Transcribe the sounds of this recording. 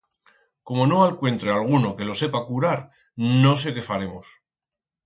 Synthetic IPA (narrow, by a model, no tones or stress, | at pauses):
ko̞mo̞no̞alkwe̞nt̪ɾealɣ̞uno̞ke̞lo̞se̞pakuɾaɾ | no̞s̬e̞ke̞faɾe̞mos